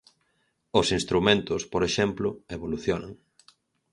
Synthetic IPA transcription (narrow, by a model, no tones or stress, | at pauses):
ʊsinst̪ɾumẽnt̪ʊspoɾeʃɛmplʊeβoluθjonaŋ